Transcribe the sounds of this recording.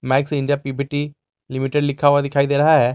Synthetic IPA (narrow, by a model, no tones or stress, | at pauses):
mɛksĩɳɖijapibʱiʈi | limiʈeɖlikʰaʋad̪ɪkʰaːid̪eɾəɦaɦɛ